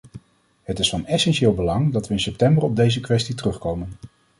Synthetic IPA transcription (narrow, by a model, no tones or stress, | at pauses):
hətɪsfɑnɛsɛnʃɪːlˠbəlɑŋdɑtʋəɪnsɛp̚tɛmbərɔb̚dejzəkʋɛstitərɵχkowmən